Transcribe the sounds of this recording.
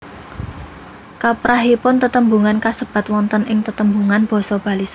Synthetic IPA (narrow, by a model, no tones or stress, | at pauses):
kapɾaɦipʊnt̪ət̪əmbuŋankasəb̥a̤t̪wɔnt̪ənɪŋt̪ət̪əmbuŋanb̥ɔ̤sɔb̥ä̤lisa